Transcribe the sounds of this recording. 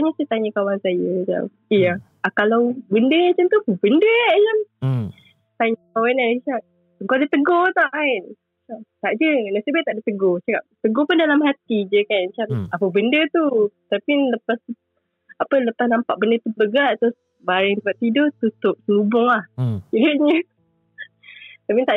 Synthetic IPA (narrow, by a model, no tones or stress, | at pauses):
t̪aɲasɛt̪aɲəkawansajət͡ʃa̰m | ija | akalawbəndəat͡ʃant̪ukubəndət͡ʃam | t̪aɲəkawanat͡ʃaʔ | əŋkodət̪əɡɔt̪aʔaʔ | aʔt̪aʔd͡ʒənasəbaʔt̪aʔdət̪əɡot͡ʃakat̪əɡɔpʊndalamɦat̪id͡ʒəkanmat͡ʃamapəbəndət̪ut̪apiləpas | apələpasnampaʔbəndət̪ubəɡaʔt̪ʊs | baɾɛŋt̪upaʔt̪idot̪ut̪ʊʔ̚sənubʊŋlahiduʔɲə | t̪apit̪aʔ